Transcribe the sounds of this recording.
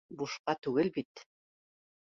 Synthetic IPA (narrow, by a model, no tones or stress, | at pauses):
buʃqɑt̪ʉɡɘlbit̪